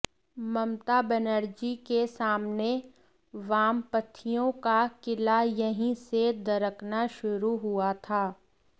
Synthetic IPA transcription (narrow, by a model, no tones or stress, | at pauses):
mɐmt̪abɛnəɾd͡ʒikesaːmne | ʋaːmpət̪ʰːijõkakɪlajɐɦĩsed̪ɐɾəknaʃʊɾuɦʊat̪ʰaː